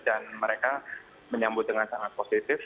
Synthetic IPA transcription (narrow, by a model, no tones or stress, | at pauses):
d̥anməɾeka | məɲambʊt̪̚dəŋansaŋat̪̚posit̪ɪf